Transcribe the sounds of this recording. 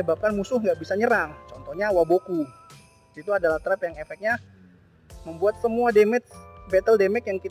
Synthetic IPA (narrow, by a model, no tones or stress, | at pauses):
əbap̚kanmusʊhŋɡaʔbisaɲəɾaŋt͡ʃɔnt̪ɔhɲawaboku | it̪uadalaht̪ɾɛpjaŋefɛk̚ɲa | məmbuat̪̚səmuademɛk̚bɛt̪əldemɛkjaŋki